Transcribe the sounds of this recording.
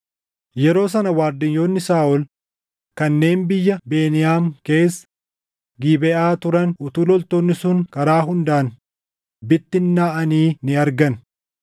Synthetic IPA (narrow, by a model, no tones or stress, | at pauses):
jɛɾo̞ːs̬ɐnɐwaːɾd̪ɪɲjo̞ːnːɪsaːʔɔl | kɐnːe̞ːnbɪjːɐbe̞ːnɪjaːmke̞ːsːɐ̥ | ɡiːbɛʔaːt̪ʊɾɐnʊt̪uːlɔlt̪oːnːɪsʊŋkɐɾaːɦʊnd̪aːn | bɪt̪ːɪnːaːʔɐniːnɪɐɾɡɐn